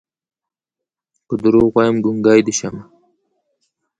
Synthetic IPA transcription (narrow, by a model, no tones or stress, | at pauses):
pəd̪uɾoɣwajəmɡuŋɡɑːjd̪əʃama